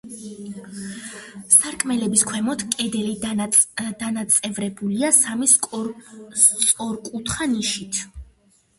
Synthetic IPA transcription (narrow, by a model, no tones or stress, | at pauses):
saɾkʼmɛlɛbiskʰwɛmɔt̪ʰkʼɛd̪ɛli | d̪anat̪sʼɛvɾɛbuliasamis | t̪sʼɔɾkʼut̪ʰχaniʃit̪ʰ